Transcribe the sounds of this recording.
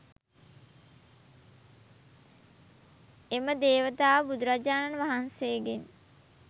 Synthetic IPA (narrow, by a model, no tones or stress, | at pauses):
eməd̪eːʋət̪aːʋəbud̪uɾad͡ʒaːnanəʋaɦanseːɡen